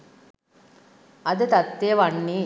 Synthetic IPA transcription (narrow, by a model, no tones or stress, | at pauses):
ɐd̪ɨt̪ɐt̪ːejɐʋɐɳːiː